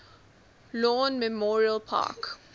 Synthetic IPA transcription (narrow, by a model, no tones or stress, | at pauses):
lɔnmɛmɔɹiəlpʰa̰k